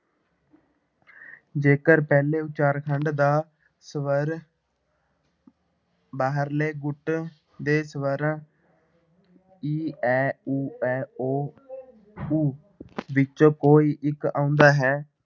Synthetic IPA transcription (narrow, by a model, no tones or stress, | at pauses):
d͡ʒeːkəɾpɛːleːʊt͡ʃaːɾkʰəɳɖd̪aː | səʋəɾ | baːɦəɾleːɡʊʈ | d̪eːsəʋəɾ̃ | iːɛːuːɛːoː | uː | ʋɪt͡ʃoːkoːiːʔɪka̰ːʊ̃nd̪aːɦɛː